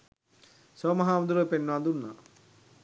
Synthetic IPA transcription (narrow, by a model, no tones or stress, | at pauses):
somɐɦaːmud̪uɾəpenːʋand̪unːa